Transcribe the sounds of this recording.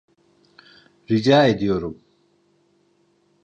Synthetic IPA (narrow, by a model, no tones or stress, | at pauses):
ɾid͡ʒaːed̪ijoɾum